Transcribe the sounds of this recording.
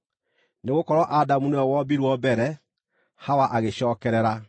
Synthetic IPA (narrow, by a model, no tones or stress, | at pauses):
neɣokɔɾɔʔadamunɛɔwɔbiɾwɔbɛɾɛ | hawaʔaɣeɕɔːkɛɾɛɾa